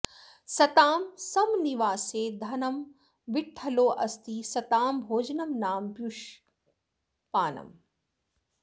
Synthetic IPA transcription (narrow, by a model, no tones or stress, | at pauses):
sɐt̪aːmsɐmniʋaːseːd̪ʱɐnɐm | ʋɪʈʰːɐloːʔɐst̪isɐt̪aːmbʱoːd͡ʒnɐmnaːmbjuʃ | paːnɐ̰m